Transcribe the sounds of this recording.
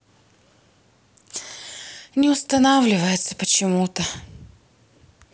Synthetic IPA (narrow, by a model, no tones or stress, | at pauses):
nʲɪʊst̪ɐnavlʲɪvəjɪt̪səpət͡ɕɪmut̪ə